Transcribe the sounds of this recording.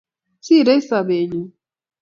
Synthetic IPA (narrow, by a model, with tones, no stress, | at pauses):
si˦˨ɾe˦i˦sa˨be˨ɲi˨˦